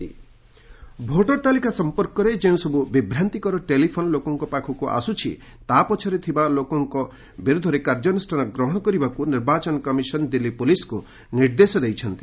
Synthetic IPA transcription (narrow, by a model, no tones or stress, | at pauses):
i | bʱoʈɔɾt̪alikasɔmpɔɾkɔɾed͡ʒeũsɔbubibʱɾant̪ikɔɾɔʈelipʰonɔlokɔŋkɔpakʰɔkuʔa̰sut͡ʃʰḭ | t̪apɔt͡ʃʰɔɾet̪ʰibalokɔŋkɔ | biɾud̪ʱɔɾekaɾd͡ʒɔnɔsʈʰaɾɔɡɾɔɦɔɽ̃ɔkɔɾibakuniɾbat͡ʃɔnɔkɔmisɔnɔd̪ilːipulisku | niɾd̪esɔd̪ejt͡ʃʰɔnt̪i